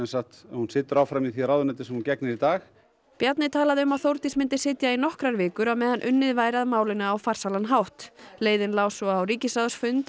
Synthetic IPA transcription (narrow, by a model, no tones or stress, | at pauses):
ɛnsaht̪hunsɪːt̪ʏɾaːwfɾamiðθiɾawðʏnat̪ɪsɛmhuncɛknɪɾit̪aːx | pjat̪nɪt̪ʰaːlaðɪʏmaðθowɾt̪ismɪnt̪ɪ̥sɪːt̪jainɔhkɾaɾvɪːkʏɾawmɛːðanʔʏnːɪðvaːjɾaðmaːwlɪnaawfar̥salanɦawht̪leːjðɪnlaːwsɔːwɾiːcɪsaðʏsfʏnt̪